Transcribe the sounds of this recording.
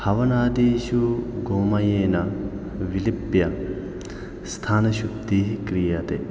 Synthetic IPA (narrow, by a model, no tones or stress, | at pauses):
hɐʋɐnaːd̪iːʃuɡoːmɐjeːnɐ | ʋilipjɐ | st̪ʰaːnɐʃub̚d̪iɦkɾijɐt̪e